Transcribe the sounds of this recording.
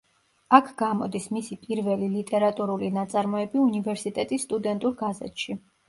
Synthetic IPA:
akʰɡamɔ̰d̪ismisipʼiɾvɛlilit̪ʼɛɾat̪ʼuɾulinat̪sʼaɾmɔɛbiunivɛɾsit̪ʼɛt̪ʼisːt̪ʼud̪ɛnt̪ʼuɾɡazɛ̰t̪ʼʃi

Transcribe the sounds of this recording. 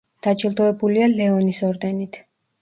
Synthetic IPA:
d̪̥at͡ʃʰʼilˠd̪ɔɛbulialɛɔnisɔɾd̪ɛnit̪ʰ

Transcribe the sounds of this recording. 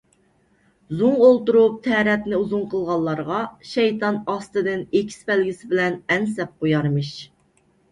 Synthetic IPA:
zuŋolˠt̪uɾup̚t̪ʰɛɾɛt̪nɪuzuŋqʰəlˠʁɑlˠːɑɾʁɑʃɛjt̪ʰɑnɑst̪ɨd̪ɨnekʲʰi̥spɛlɡʲisɪbɪlɛnɛnsɛp̚qojɑɾmɨʃ

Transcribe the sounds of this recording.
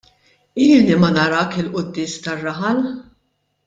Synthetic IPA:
iːlːimɐnɐɾɐːkɪlʔʊd̪ːɪːst̪ɐrːɐħɐl

